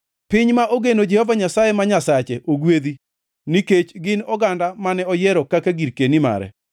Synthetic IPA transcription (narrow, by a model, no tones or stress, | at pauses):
pɪɲmaʔoɡenod͡ʒɛhɔvaɲasajemaɲasat͡ʃeʔoɡwed̪i | niket͡ʃɡɪnɔɡandamanɛɔjɛɾɔkakaɡiɾkenima̰ɾɛ̰